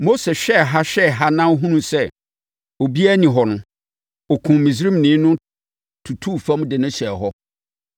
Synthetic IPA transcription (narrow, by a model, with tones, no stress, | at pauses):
mo˦se˨ɕᶣɛ˦˨ɦa˦ɕᶣɛ˦˨ɦa˦nã˦ɦũ˦nũ˦sɛ˦ | o˨bi˦æ˦nĩ˨ɦɔ˨nʊ̃˦ | ɔ˨kʰũ˨mĩ˨s̬ɾĩ˦mnĩː˨˦nʊ̃˦ | tʰu˨tʰu˦˨fã˦m˦dɪ˨nʊ̃˦ɕɛ˨ɦɔ˦